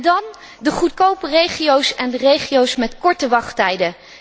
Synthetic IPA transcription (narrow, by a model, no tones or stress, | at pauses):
dɑn | dəχut̚kowpərejχijowsɛndərejχiowsmɛtkɔɹtəʋɑχtɛjdə